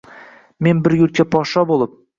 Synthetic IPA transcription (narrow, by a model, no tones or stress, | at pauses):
me̞nbɪɾjʊɾ̚t͡ʃʲapʰɒʃɒbolˠəp̚